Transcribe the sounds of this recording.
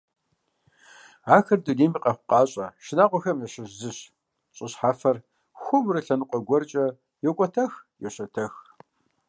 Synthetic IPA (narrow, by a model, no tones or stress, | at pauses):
aːxɐrduniːmiːqʼɐχʷʊqɑːɕʼɐʃɪnaːqʷɔxɐmɐɕɪʑzɨɕ | ɕʼɪɕħaːfɐr | xʷʊmrɨɬɐnɨqʷʼɔɡʷɔrt͡ʃʼɐ | jɛkʷʼɔtʰɐxjɛɕɐtʰɐx